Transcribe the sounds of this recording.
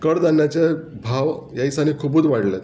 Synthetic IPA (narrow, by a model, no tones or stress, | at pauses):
kəɽd̪anjat͡ɕebʱaʋjaisanikʰubuːd̪ʋaɽlɛt̪